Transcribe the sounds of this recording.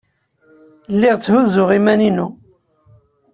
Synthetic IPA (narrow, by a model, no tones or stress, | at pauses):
lːɪʁt͡sːhuzʊʁimæninu